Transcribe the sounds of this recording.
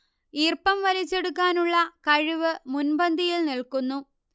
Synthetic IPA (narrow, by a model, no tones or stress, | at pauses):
iːrpɐmʋɐɾit͡ɕːe̞ɽukːaːnuɭːɐkɐɻiʋɨmunbɐnd̪ʱijilnilkunːu